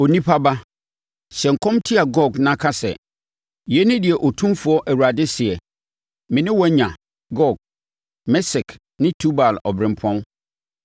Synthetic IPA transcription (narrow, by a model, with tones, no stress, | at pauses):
o˨nĩ˦pʰa˦ba˦ | ɕɛ̃˨ŋ̩˨kʰɔ̃˦mtʰi˦a˨ɡɔ˦˨ɡnã˦kʰa˦sɛ̰˨ | jɛ˨˦nɪ̃˦dɪ˨ɛ˨ʔɔ˨tʰũ˦mfʊ˦ɔ˦ʔæ˨wu˨ɾa˨dɪ˦sɪ˨ɛ˨ | mɪ̃˨nɪ̃˦wɔ˦ɲã˨ | ɡɔ˦˨ɡ̚ | mɛ˦sɪ˨kʰ | nɪ̃˦tʰu˦ba˨lɔ̰˨bɾɪ̃˨m˨pʰɔ̃˦n